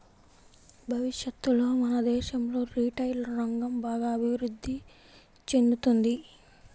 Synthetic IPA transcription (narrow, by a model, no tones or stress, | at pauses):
bʱɐʋiʃjɐt̪ːulo̞ːmɐnɐd̪ɛːʃɐmlo̞ːɾiːʈɐjlɾɐŋɡɐmbaːɡaːɐbʱiʋɾud̪ʱːi | t͡ʃe̞nd̪ut̪und̪i